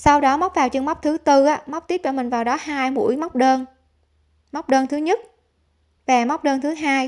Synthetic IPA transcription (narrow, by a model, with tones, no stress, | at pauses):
sa˧wɗɔ˨˦ma˦˥k͡p̚vaː˨˩wt͡ɕɨ˧ŋma˦˥k͡p̚t̪ʰɨ˨˦t̪ɨ˧ʔaː˨˦˥ma˦˥k͡p̚t̪i˦˥t͡ɕɔ̰˧˩mï˨˩ŋ̟vaː˨˩wɗɔ˨˦haː˧jmṵ˧˥əjma˦˥wk͡p̚ɗəː˧n | ma˦˥wk͡p̚ɗəː˧nt̪ʰɨ˨˦ɲə˦˥t̚ | ve˨˩ma˦˥wk͡p̚ɗəː˧nt̪ʰɨ˨˦ɦaː˧j